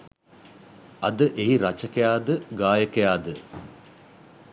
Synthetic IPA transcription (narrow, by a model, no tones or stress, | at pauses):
ɐd̪əʔeɦiɾat͡ʃəkəjaːd̪əɡaːjəkəjaːd̪ə